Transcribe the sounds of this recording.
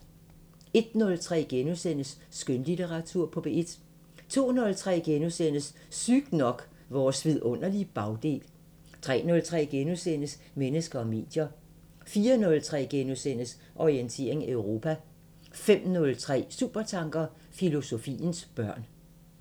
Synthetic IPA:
e̝d̥nɔ̽lt͡sʰʁɛ̰ːɡ̥enusen̰əsːɡ̥ønlit͡sʰeʁɑ̈t͡sʰuɐ̰pʰɒ̽b̥ee̝d̥ | t͡sʰo̝̰ːnɔ̽lt͡sʰʁɛ̰ːɡ̥enusen̰əs | syɡ̥nɒ̽ɡ̥ | ʋɒːsʋið̰ˠɔ̽n̰ɐlib̥ɑ̈ʊd̥e̝̰ːl | t͡sʰʁɛ̰ːnɔ̽lt͡sʰʁɛ̰ːɡ̥enusenəs | menəsɡ̥ɐɒ̽me̝̰ːd̥jɐ | fiːɐnɔ̽lt͡sʰʁɛ̰ːɡ̥enusen̰əs | ʔɒʁient͡sʰe̝̰ɐ̰e̝ŋæøʊʁo̝pʰæ | fem̰nɔ̽lt͡sʰʁɛ̰ːsṵːb̥ɐt͡sʰɑ̈ŋɡ̥ɐ | filo̝so̝fḭːnsb̥ɶɐ̰n

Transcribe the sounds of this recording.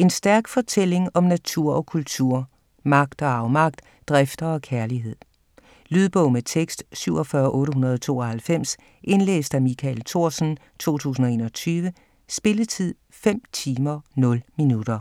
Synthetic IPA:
e̝nsd̥æɐɡ̥fɒ̽t͡sʰel̰e̝ŋɒ̽mnæt͡sʰuɐ̰ɒ̽kʰult͡sʰuɐ̰ | mɑ̈ɡ̥̚d̥ɒ̽ɑ̈ʊmɑ̈ɡ̥̚d̥ | d̥ʁafd̥ɐɒ̽kʰæɐliɦe̝ð̞̰ˠ | lyð̞ˠb̥ɔʊmet͡sʰeɡ̥sd̥syʊ̰ɒ̽fɶːɐʔɔ̽ːɾəɦunɐð̞ˠt͡sʰo̝̰ːɒhælfem̰s | ʔe̝nlḛːsd̥æmikʰælt͡sʰo̝ɐ̰sn̩ | t͡sʰo̝̰ːt͡sʰṵːs̬n̩ɒ̽e̝̰ːnɒ̽t͡sʰyːʋə | sb̥e̝lət͡sʰið̰ˠ | fem̰t͡sʰiːmɐnɔ̽lminud̥ɐ

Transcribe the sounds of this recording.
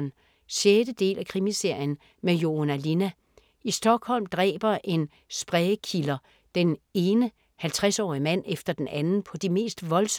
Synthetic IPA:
n | ɕjed̥əd̥e̝̰ːlækʰʁimise̝ɐ̰jən̩ | mejo̝nælinæ | isd̥ɒ̽ɡ̥hɒ̽l̰md̥ʁɛ̰ːb̥ɐʔe̝n | sb̥ʁɛːəkʰilɐ | d̥ene̝ːnə | hælt͡sʰʁasɒ̰ːimæn̰efd̥ɐd̥enʔænn̩pʰɒ̽d̥ime̝̰ːsd̥ʋɒ̽ls

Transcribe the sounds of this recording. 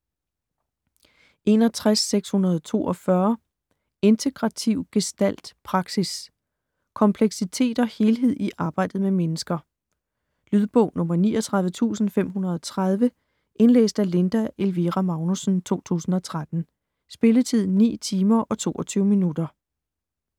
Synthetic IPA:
ʔe̝nɒ̽t͡sʰʁasːeɡ̥shunɐð̞ˠɒt͡sʰo̝̰ːɒ̽fɶɐ | e̝nt͡sʰe̝ɡ̥ʁɑ̈t͡sʰiʊ̰ɡ̥e̝sd̥æl̰d̥pʰʁɑ̈ɡ̥sis | kʰɒ̽mpʰleɡ̥sit͡sʰe̝̰ːd̥ɒ̽he̝ːlɦe̝ð̰ˠiʔɑ̈ːb̥ɑ̈ɪ̰d̥ð̞̩ˠmemenəsɡ̥ɐ | lyð̞ˠb̥ɔʊ̰nɔ̽mɐniːɒt͡sʰʁɑ̈ð̞ˠʋət͡sʰṵːsn̩fem̰ɦunɐð̞ˠɒt͡sʰʁað̞ˠʋə | ʔe̝nlḛːsd̥æle̝nd̥æʔe̝lʋiʁæmɑ̈ʊnusn̩t͡sʰo̝̰ːt͡sʰṵːsn̩ɒ̽t͡sʰʁad̥n̩ | sb̥e̝lət͡sʰið̞̰ˠnḭːt͡sʰiːmɐʔɒ̽t͡sʰo̝̰ːʔɒt͡sʰyːʊminud̥ɐ

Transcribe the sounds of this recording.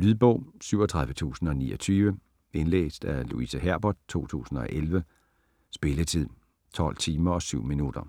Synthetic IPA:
lyðˠb̥ɔ̰ʊ̰syʊ̰ɒ̽t͡sʰʁɑ̈ðˠʋət͡sʰṵːsn̩ɒ̽nḭːʔɒt͡sʰyːʋə | e̝nlḛːsd̥ælṵisæɦæɐ̰b̥ɒd̥̚t͡sʰo̝̰ːt͡sʰṵːsn̩ɒ̽ʔelʋə | sb̥e̝lət͡sʰið̰ˠ | t͡sʰɒ̽l̰t͡sʰiːmɐɒ̽syʊ̰minud̥ɐ

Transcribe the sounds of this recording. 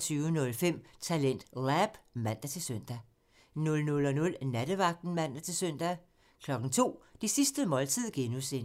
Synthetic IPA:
t͡sʰyːʊənɔ̽lfem̰t͡sʰælen̰d̥læb̥mæn̰d̥ɐt͡sʰe̝lsøn̰d̥æ | nɔ̽lnɔ̽lɒ̽nɔ̽lnæɾ̥əʋɑ̈ɡ̥̚d̥n̩mæn̰d̥ɐt͡sʰe̝lsøn̰d̥æ | kʰlɒ̽ɡ̥n̩t͡sʰo̝̰ːd̥isisd̥əmɒ̽lt͡sʰið̰ˠɡ̥e̝nusen

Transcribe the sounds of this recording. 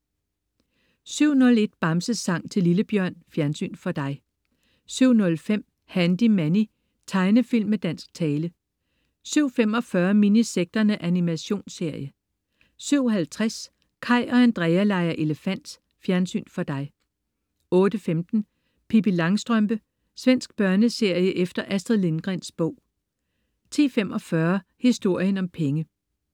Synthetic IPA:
syʊ̰nɔ̽le̝d̥̚b̥ɑ̈msəsɑ̈ŋ̰t͡sʰe̝liləb̥jɶɐ̰nfjæɐnsy̰ːnfɒ̽d̥ɑ̈ɪ | syʊ̰nɔ̽lfem̰ | hænd̥imæni | t͡sʰɑ̈ɪnəfil̰mːed̥æn̰sɡ̥̚t͡sʰɛːlə | syʊ̰fem̰ɒ̽fɶɐminiseɡ̥̚d̥ɐnəʔænimæɕo̝̰ːnse̝ɐ̰jə | syʊ̰ɦælt͡sʰʁas | kʰɑ̈ɪ̰ɒ̽hænd̥ʁɛɪælɑ̈ɪɐʔe̝ləfæn̰d̥s | fjæɐnsy̰ːnfɒ̽d̥ɑ̈ɪ | ɔ̽ːd̥əfemd̥n̩ | pʰib̥ilɑ̈ŋsd̥ʁœmb̥ə | sʋen̰sɡ̥̚b̥ɶɐnəse̝ɐ̰jəʔefd̥ɐʔæsd̥ʁɐle̝nɡ̥ʁɛnsb̥ɔ̽ʊ̰ | t͡sʰḭːfemʔɒ̽fɶɐhisd̥o̝ɐ̰jənɒ̽mpʰeŋə

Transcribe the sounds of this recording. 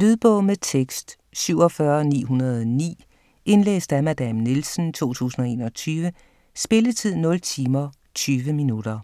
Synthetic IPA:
lyðˠb̥ɔ̽ʊmet͡sʰeɡ̥sd̥ | syʊɒ̽fɶɐnḭːɦunɐð̞̩ˠnḭː | e̝nlḛːsd̥æmæd̥æmnilsn̩t͡sʰo̝̰ːt͡sʰṵːsn̩ɒ̽e̝̰ːnɒ̽t͡sʰyːʋə | sb̥e̝lət͡sʰið̞̰ˠnɔ̽lt͡sʰiːmɐ | t͡sʰyːʋəminud̥ɐ

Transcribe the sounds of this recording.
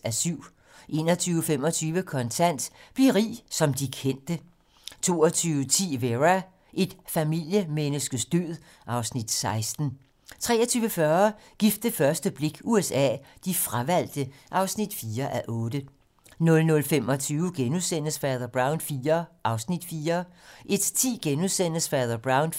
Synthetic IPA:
æsyʊ̰ | ʔe̝̰ːnɒt͡sʰyːʊəfemɒ̽t͡sʰyːʋəkʰɒ̽nt͡sʰæn̰d̥b̥liɐʁḭːsɒ̽md̥ikʰen̰d̥ə | t͡sʰo̝̰ːɒt͡sʰyːʊət͡sʰḭːʋeʁæ | ʔe̝d̥fæmil̰jəmenəsɡ̥əsd̥øðˠ | ʔɑ̈ʊsnid̥sɑ̈ɪsd̥n̩ | t͡sʰʁɛ̰ːɐt͡sʰyːʊəfɶɐ | ɡ̥ifd̥əfɶɐsd̥əb̥le̝ɡ̥uesɛ̰ːd̥ifʁaʋæl̰d̥əʔɑ̈ʊsnid̥fiːɐʔæʔɔ̽ːd̥ə | nɔ̽lnɔ̽lfemɒ̽t͡sʰyːʊəɡ̥enuðˠsen̰əsfɛːðˠɐb̥ʁɑ̈ʊnfiːɐʔɑ̈ʊsnid̥fiːɐʔe̝d̥t͡sʰḭːɡ̥enuðˠsen̰əsfɛːðˠɐb̥ʁɑ̈ʊn

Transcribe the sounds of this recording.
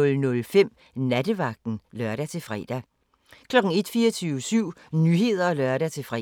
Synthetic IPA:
ɔ̽lnɔ̽lfem̰ | næd̥əʋɑ̈ɡ̥̚d̥n̩lɶɐɾ̥æt͡sʰe̝fʁɛ̰ːd̥æ | kʰlɒ̽ɡ̥̩e̝d̥fiːɒt͡sʰyːʊsyʊ̰nyɦe̝ð̞̰ˠɐlɶɐɾæt͡sʰe̝fʁɛ

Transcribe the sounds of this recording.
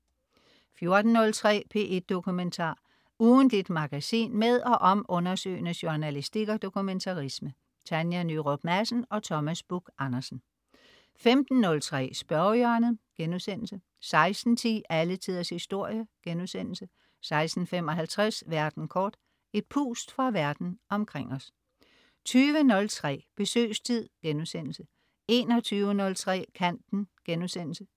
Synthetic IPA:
fjo̝ɐd̥n̩ːɔ̽lt͡sʰʁɛ̰ːpʰe̝̰ːʔe̝d̥ːo̝kʰument͡sʰɑ̰̈ː | uːnd̥lid̥mɑ̈ɡ̥æsḭːnmeðˠɒ̽ʔɒ̽mʔɔ̽nɐsø̰ːɪnəɕonælisd̥iɡ̥ɐd̥o̝kʰument͡sʰɑ̈ʁismə | t͡sʰænjænyʁob̥mæsn̩ɒ̽t͡sʰɒ̽mæsb̥uɡ̥ɑ̈nɐsn̩ | femd̥n̩ːɔ̽lt͡sʰʁɛ̰ːsb̥ɶɐjøɐnð̩ˠɡ̥enuðˠsen̰l̩sə | sɑ̈ɪsd̥n̩t͡sʰḭːælət͡sʰið̰ˠɐshisd̥o̝ɐ̰jəɡ̥enuðˠsen̰l̩sə | sɑ̈ɪsd̥n̩fem̰ɒ̽ɦælt͡sʰʁasʋæɐd̥n̩kʰɒːd̥ | e̝d̥̚pʰṵːsd̥fʁɑ̈ʋæɐd̥n̩ɒ̽mkʰʁeŋ̰ɒ̽s | t͡sʰyːʋənɔ̽lt͡sʰʁɛ̰ːb̥e̝sø̰ːst͡sʰið̞̰ˠɡ̥enuðˠsen̰l̩sə | e̝ːnɒt͡sʰyːʊənɔ̽lt͡sʰʁɛ̰ːkʰæn̰d̥n̩ɡ̥enuðˠsen̰l̩sə

